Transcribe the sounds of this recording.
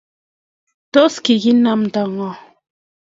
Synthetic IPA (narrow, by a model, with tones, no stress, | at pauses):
tɔ˦ski˨ɣi˦na˦mn˨da˨ŋɔ˨